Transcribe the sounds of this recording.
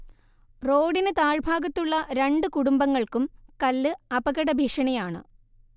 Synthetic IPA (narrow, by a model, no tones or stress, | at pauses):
ro̞ːɽinɨt̪aːɻbʱaːɡɐt̪ːuɭːɐɾeɳɖɨkuɽumbɐŋːɐɭkumkɐlːɨɐbɐɣɐɽɐbʱiːʂɐɳɐjaːɳɨ̰